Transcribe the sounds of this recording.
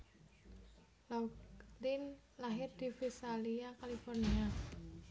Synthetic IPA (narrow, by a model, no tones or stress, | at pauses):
lalin | laɦɪrd̪̥i̤fisaliakalifɔrnia